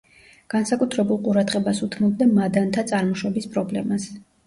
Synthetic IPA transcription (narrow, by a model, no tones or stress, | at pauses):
ɡ̥ansakʼut̪ʰɾɛbulˠqʼuɾad̪ʁɛbasut̪ʰmɔb̚d̪amad̪ant̪ʰat̪sʼaɾmɔʃwɔbispʼɾɔblɛmas